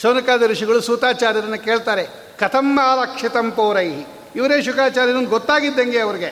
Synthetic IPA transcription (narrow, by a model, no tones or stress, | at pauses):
soːnɐkaːd̪ɐɾiʂiɡɐɭusuːt̪aːt͡ʃaːɾjɐɾɐnːukeːɭt̪aːɾe | kɐt̪ʰɐmːaːɾakʂit̪ɐmpoːɾɐjɦi | iʋɐɾeːʃukaːt͡ʃaːɾjɐɾond̪uɡɔt̪ːaːɡid̪ːeŋɡeɐʋɐɾiɡe